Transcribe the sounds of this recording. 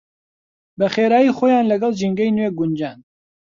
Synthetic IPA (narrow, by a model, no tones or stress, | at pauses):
bɛxeːɾaːjiːxoːjɑːnlɐɡɑlʒiŋɡɛjnweɡund͡ʒaːn